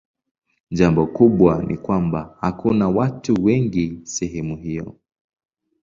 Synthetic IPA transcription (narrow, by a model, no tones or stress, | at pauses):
ʄambɔkuɓwanḭkwambahakʰunawatuwɛŋɡisɛɦɛmuɦijɔ̰